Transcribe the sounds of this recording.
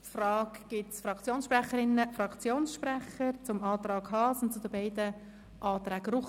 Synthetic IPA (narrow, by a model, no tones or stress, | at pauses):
frɑːkɡ̥ɪtsfɾɑkt͡sjoːnsʃprɛχəɾɪnːəfrɑkt͡sjoːnsʃprɛχəɾt͡sʊmɑːt̪ɾɑːɡhɑːsʊnt͡sʊdəbaɪdə | ʔɑːt̪ɾɛːɡɾʊχ